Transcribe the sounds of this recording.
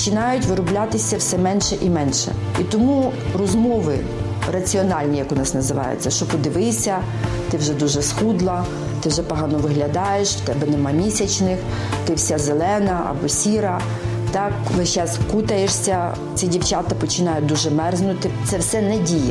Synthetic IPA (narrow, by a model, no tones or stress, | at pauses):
pt͡ʃɪnɑjʊtʲʋɪɾʊblʲat̪ɪsʲɐwsɛmɛnʃɛʔimɛnʃɛ̰ | it̪ɔmurɔzmɔʋɪ̰ | rɐt͡sʲiɔnɑlʲnʲijɐkʊnɑsnɐzɪʋɑ̰jʊ̰t͡sʲːɐʃt͡ʃɔpɔd̪ɪʋɪsʲɐ | t̪ɪwʒɛd̪uʒɛsxud̪lˠɐ | t̪ɪwʒɛpɔɦɑnɔʋɪɦlʲɐd̪ɑjeʃwt̪ɛbɛnɛmɑmʲisʲɐt͡ʃnɪx | t̪ɪwsʲazelˠɛnɐʔɐ̰bɔsʲiɾɐ | t̪ɑkʋɪʃɛskut̪ɐjeʃsʲɐ | t͡sʲidʲiwt͡ʃat̪ɐpɔt͡ʃɪnɑjʊd̪uʒɛmɛrznʊt̪ɪt̪sɛwsɛnɛdʲijɛ